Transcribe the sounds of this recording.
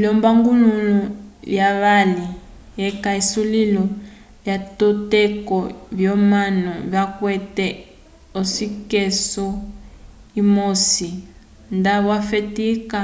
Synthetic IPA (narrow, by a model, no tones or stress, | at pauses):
ilɔmbaŋɡulululjaβali | jɛkaisulilɔ | ljatɔtekɔβjɔmanɔβjakwɛtɛ | osikesɔ | imosi | ndaβwafetika